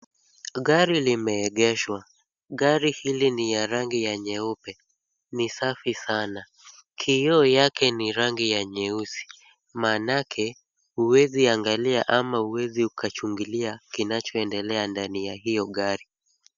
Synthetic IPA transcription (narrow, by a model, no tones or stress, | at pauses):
ɠaɾilimɛːɠɛʃwa | ɠaɾihilinijaɾaŋɡijaɲɛupɛ | nisafisana | kʰiɔjakɛniɾaŋɡijaɲɛusi̥ | manakʰɛ | huwɛziaŋɡalia̰ʔamahuwɛziukʰat͡ʃuŋɡiliakinat͡ʃɔɛndɛlɛandanijaɦijɔɠaɾi